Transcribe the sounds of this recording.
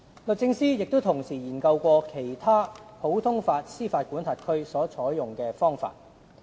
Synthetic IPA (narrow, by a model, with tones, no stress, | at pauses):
lɵ˨t̚t͡sɪ˧ŋsiː˥jɪ˨k̚t̪o˥wt̪ʰʊ˨˩ŋsiː˨˩jiː˨˩nkɐ˧wkʷɔː˧kʰe˨˩jt̪ʰaː˥pʰo˨˥wt̪ʰʊ˥ŋfaː˧t̚siː˥faː˧t̚kuː˨˥nt̪ʰaː˨˩t̚kʰɵ˥ɥsɔː˨˥t͡sʰɔː˨˥jjʊ˨ŋkɛː˧fɔː˥ŋfa̰ː˧t̚